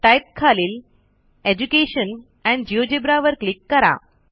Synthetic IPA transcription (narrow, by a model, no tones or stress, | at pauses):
ʈajp̚kʰaliːl | ed͡ʑukeɕən | ɛ̃ɳɖd͡ʑiod͡ʑebɾaʋəɾklikːəɾa̰